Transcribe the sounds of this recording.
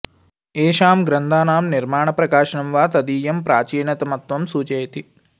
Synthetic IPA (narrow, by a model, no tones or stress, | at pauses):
eːʃaːmɡɾɐnd̪ʱaːnaːmniɾmaːɳɐpɾɐkaːʃɐnɐmʋaːt̪ɐd̪iːjɐmpɾaːt͡ʃiːnɐt̪ɐmɐt̪ʋɐmsuːt͡ʃɐjɐt̪i